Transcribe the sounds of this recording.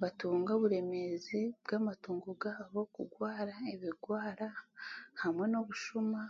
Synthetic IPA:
βatuːŋɡoβuɾe̞me̞zibɡamatuːŋɡoɡaβo̞kṵɡwaːɾaeβiɡwaːɾahamwe̞no̞βuʃuma

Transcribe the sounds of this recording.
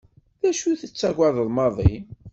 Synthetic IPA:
ðæʃuθət͡sːæɡʷaðˤəðˤmɑðˤḭn

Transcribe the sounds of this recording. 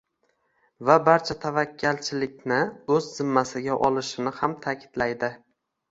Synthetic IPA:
vabaɾt͡ʃʰat̪ʰavakʲːalt͡ʃʰɪlɪk̚ʲnɪɵzːɪmːasɪɡʲaʔɒlˠɪʃɪnɪhamt̪ʰakʲʰɪ̥d̪̥lajd̪ɪ

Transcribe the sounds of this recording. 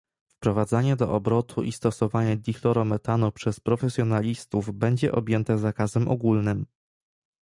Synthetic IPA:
fpɾɔvad̪zaɲɛd̪ɔʔɔbɾɔt̪ʰuʔist̪ɔsɔvaɲad̪ʲixlɔɾɔmɛt̪anupʂɛspɾɔfɛsʲjɔnalʲist̪uvbɛɲd͡ʑɛʔɔbʲjɛnt̪ɛzakazɛmʔɔ̰ɡulnɘm

